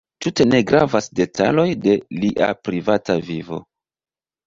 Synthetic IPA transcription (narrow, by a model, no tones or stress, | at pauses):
tute̞ne̞ɡɾavasde̞tʰa̰lo̞jde̞liʔa̰pɾivatavivo̞̰